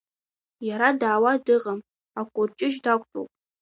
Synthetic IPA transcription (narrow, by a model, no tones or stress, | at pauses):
jaɾadaːwadɨqʼəm | akʷʼort͡ʃʼɪʒdakʷʼʰtʼo̰wpʼ